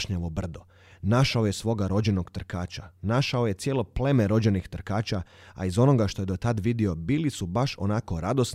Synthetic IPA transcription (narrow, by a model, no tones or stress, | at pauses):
ʃɲaʋo̞br̩d̪o̞ | naʃao̞jesʋo̞ɡaɾo̞d͡ʑe̞noɡt̪r̩kaːt͡ʃanaʃao̞je̞t̪sje̞lo̞ple̞meɾo̞d͡ʑenixt̪r̩kaːt͡ʃaa̰izo̞no̞ɡaʃt̪o̞jed̪ot̪ad̪ʋid̪io̞biːlisubaʃo̞̰nako̞ɾad̪o̞s